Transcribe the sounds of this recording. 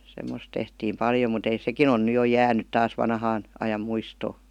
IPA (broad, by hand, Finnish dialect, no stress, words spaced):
semːos tehtiːm pɑljo mut ei sekin on ny jo jæːnyt tɑːs ʋɑnhɑːn ɑjɑm muistoː